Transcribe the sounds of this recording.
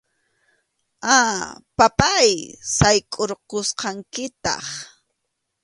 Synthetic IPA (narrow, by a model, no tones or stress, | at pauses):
apapajsajkʼoɾqosqɑŋkɪt̪ɑ̰χ